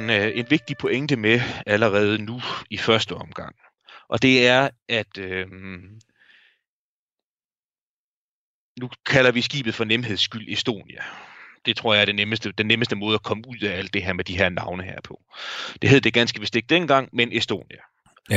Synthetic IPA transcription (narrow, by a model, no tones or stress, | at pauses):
ne̝nʋe̝ɡ̥̚d̥ipʰɔ̽eŋd̥əmeæləʁɛːð̞̩ˠənuifɶɐsd̥əɒ̽mɡ̥ɑ̈ŋ̰ | ʔɒ̽d̥e̝æɐʔæd̥ø | nukʰælɐʋisɡ̥ḭːb̥ð̩ˠfɒ̽nemɦe̝ðˠsːɡ̥yl̰e̝sd̥o̝̰ːnjæd̥e̝t͡sʰʁo̝ɐ̰jɑæɐd̥eneməsd̥əd̥enːeməsd̥əmɔ̽ːð̞̩ˠækʰɒ̽məuð̞̰ˠææl̰d̥e̝ɦeɐ̰med̥iɦe̝ɐ̰nɑ̈ʊnəhḛɐ̰pʰɒ̽d̥e̝ɦe̝ð̰ˠd̥e̝ɡ̥ænsɡ̥əʋesd̥e̝ɡ̥̚d̥enɡ̥ɑ̈ŋ̰menesd̥o̝̰ːnjæ